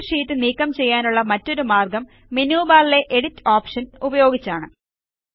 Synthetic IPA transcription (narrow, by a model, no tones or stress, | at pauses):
ʂiːt̪ːɨniːkːɐmt͡ɕe̞jːaːnuɭːɐmɐtːo̞ɾumaːrɡɐmː | injuːbaːlile̞ʔeɽitːoːpʂɐnubɐjo̞ːɡit͡ɕːaːɳɨ